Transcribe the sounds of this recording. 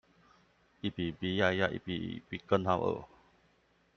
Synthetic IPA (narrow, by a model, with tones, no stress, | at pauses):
ʔi˨pi˨bi˧ja˧ja˧ʔḭ˨pi˨pi˧kə˦nha˧wʔə̰